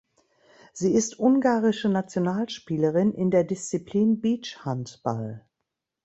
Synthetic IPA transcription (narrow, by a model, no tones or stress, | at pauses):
z̥iːɪstʔʊŋɡaːʁɪʃənat͡sjonaːlʃpiːləʁɪnʔɪndeːɐdɪst͡sipʰliːnbiːt͡ʃhantb̥a̰l